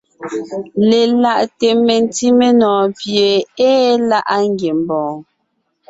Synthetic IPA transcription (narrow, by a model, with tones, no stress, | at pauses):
le˨la˦˨ʔte˨me˨n˦ti˦me˦nɔ̃ː˨pje˨e˦la˦ʔa˦ŋ˦ɡje˨m̩˨bɔ̃ː˨